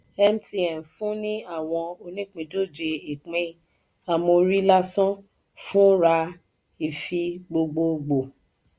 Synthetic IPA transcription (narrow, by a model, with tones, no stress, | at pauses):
ɛ˦m˦ti˨ɛ˨m˨fũ˦nĩ˦a˦˨w̃ɔ̃˧o˧nĩ˦k͡pĩ˨do˦˨d͡ʒe˧i˨k͡pẽ˦ | a˨mõ˧ɾi˦la˦sɔ̃˦ | fũ˦ɾa˧ | i˨fi˧ɡ͡bo˧ɡ͡bo˧ɡ͡bo˨